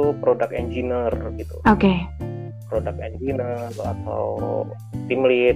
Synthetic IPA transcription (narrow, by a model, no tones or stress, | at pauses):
upɾodakɛnd͡ʒinərɡit̪ṵoke | pɾodakɛnd͡ʒinəra̰t̪a̰w | t̪imli